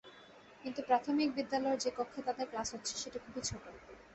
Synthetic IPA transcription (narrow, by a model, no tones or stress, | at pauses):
kint̪upɾat̪ʰomik̚bid̪ːalɔeɾd͡ʑekokʰːet̪ad̪eɾklasɦotːɕʰe̥ʃeʈakʰubʱit͡ɕʰoʈo